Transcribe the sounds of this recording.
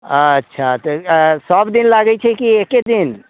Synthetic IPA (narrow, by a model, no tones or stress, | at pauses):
ə̃ətːʃʰat̪əsəbd̪inlaɡɛt͡ʃʰɛkieked̪in